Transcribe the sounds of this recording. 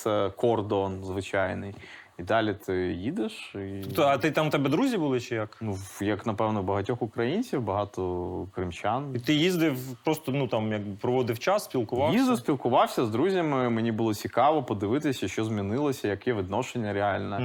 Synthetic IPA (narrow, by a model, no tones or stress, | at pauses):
ɛkɔrd̪ɔnzʋɪt͡ʃajnɪj | id̪ɑlʲit̪ʰɪjid̪ɪʃiɔpt̪ɔɐt̪ɪt̪amt̪ɛbɛd̪ɾuzʲibulˠɪt͡ʃɛjɐknujɐknɐpɛwnɔbɐɦɐtʲɔxʊkɾɐjinʲt͡sʲiwbɐɦɑt̪ɔkɾɪmt͡ʃʲanit̪ɪjizd̪ɪwpɾɔst̪ɔnut̪ɑmjɐɡ̚bɪpɾɔʋɔd̪ɪft͡ʃasːʲpʲilˠkʊʋɑjizd̪ɪsʲpʲilˠkʊʋɑwsʲɐzd̪ɾuzʲɐmɪmenʲibʊlˠɔt͡sʲikɑʋɔpɔd̪ɪʋɪt̪ɪsʲɐʃt͡ʃɔzmʲinɪlˠɐsʲɐjɐkjɛʋɪd̪nɔʃenʲːɐɾeɑlʲnɛ